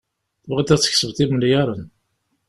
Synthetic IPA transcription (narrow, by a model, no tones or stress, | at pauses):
θvʁit̪ːæt͡sːə̥çsəvt̪ˤiməljæɾˤən